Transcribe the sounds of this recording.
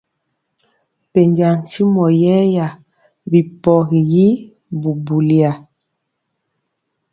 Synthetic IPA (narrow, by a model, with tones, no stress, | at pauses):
pe˨ɲda˨n˨ti˦mɔ˨jɛ˦ja˨ | bi˨pɔ˨ɣi˨ji˦ | bu˨bu˨li˨a˨